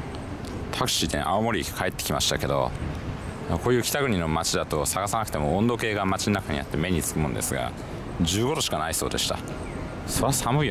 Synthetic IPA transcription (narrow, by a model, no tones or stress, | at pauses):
t̪ʰakɯ̟̥ɕid̪ẽʔaomo̞ɾʲikʰae̞t̪ːe̞kʲima̰ɕi̥t̪ake̞d̪o̞̰ | akoːjɯ̟ːkʲi̥t̪aɡɯ̟ɲ̟ino̞mat͡ɕid̪at̪o̞saɡasanakɯ̟̥t̪emo̞õnd̪o̞ke̞ːɡamat͡ɕinnakaɲ̟ḭa̰t̪ːe̞me̞ɲ̟it͡sɨ̥kɯ̟mɯ̃nd̪e̞̰sɨɡa̰ | ʑɨːɡo̞d̪o̞ɕi̥kanaiso̞̰ːd̪e̞ɕi̥t̪a̰ | soβasamɯ̟i